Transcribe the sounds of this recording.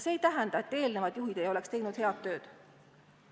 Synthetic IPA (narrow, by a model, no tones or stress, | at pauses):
se̞ːjt̪æɦɛnd̪̥ɑet̪ːˑe̞ːlne̞vɑd̪̥juɦid̪̥e̞jo̞le̞kst̪e̞jnud̪̥he̞ɑd̪ːø̞ːd̪̥